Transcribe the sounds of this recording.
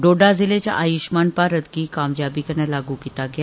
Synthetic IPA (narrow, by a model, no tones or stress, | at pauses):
ɖoɖazilet͡ɕa̰ʔajuʃmanpaɾəd̪ɡiːkaːmd͡ʑabikəɾnalaɡukit̪aɡja